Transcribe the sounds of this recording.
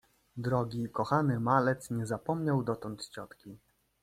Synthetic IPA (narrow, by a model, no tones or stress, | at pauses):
d̪ɾɔɡʲikɔxanɘmalɛt̪sɲɛzapɔmɲawd̪ɔt̪ɔnt̪t͡ɕɔt̪kʲi